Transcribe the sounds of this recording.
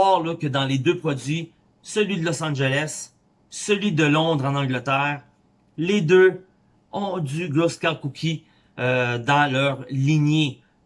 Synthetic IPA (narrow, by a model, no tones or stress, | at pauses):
ɑːʁlɔkʲəd̪ɑ̃led̪øpχɔd͡zzɥi | səlɥid̪əlɔsɑ̃ʒelɛs | səlɥid̪əlɔ̃d̪ʁɑ̃nɑ̃ɡlət̪ɛːʁ | led̪ø | ɔ̃d͡z̪yɡloskɑ̃kukʲʰi | d̪ɑ̃lœʁliɲje